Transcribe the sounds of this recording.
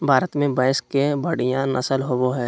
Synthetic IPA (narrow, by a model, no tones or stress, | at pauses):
bʱaːɾət̪mẽbaːɪskebɐɽ̤ijãnʔɐ̰səlɦoːboɦɛː